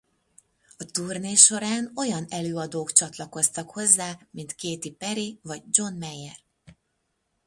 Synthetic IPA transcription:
ɒt̪urneːʃo̞ɾaːno̞jɒnɛløːɒd̪oːkt͡ʃɒt̪lɒko̞st̪ɒkho̞zːaːmint̪keːt̪ipɛɾivɒɟ̚d͡ʒo̞nmɛjːɛr

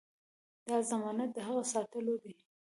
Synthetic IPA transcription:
d̪ɑzamɑnat̪̚d̪əɦaɣasɑt̪əlod̪e

